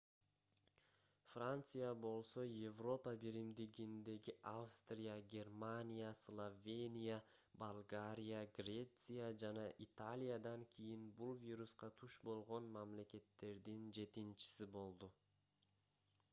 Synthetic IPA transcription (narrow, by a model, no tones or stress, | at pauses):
frant̪sɨjabo̞lˠso̞jevro̞pəbiɾimd̪iɡind̪e̞ɡiʔavst̪rʲɪjaɡʲe̞rmanʲijaslˠovʲe̞nʲija | balˠɡaɾʲijaɡrʲe̞t̪sɨjad͡ʒɑnɑʔit̪alʲijad̪ɑŋkʲʰijinbulˠvʲiɾusqɑt̪ʰuʃbo̞lˠʁo̞nmamle̞ke̞t̪ːe̞ɾd̪ind͡ʒe̞t̪int͡ʃi̥sibo̞lˠd̪u